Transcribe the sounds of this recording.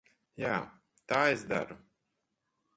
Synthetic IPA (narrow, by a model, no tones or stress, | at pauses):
jaː | t̪aːezd̪a̰ɾu